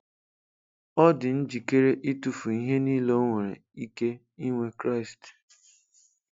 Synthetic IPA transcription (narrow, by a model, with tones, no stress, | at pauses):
ɔ˦dɪ˨n̩˦d͡ʒi˨ke˦ɾe˦ʔi˦tu˨fu˨i˦ɦe˦ni˦lo˦ŋʷe˨ɾḛ˨i˦ke˦ | i˦ŋʷe˦kɾa˦ɪ˨st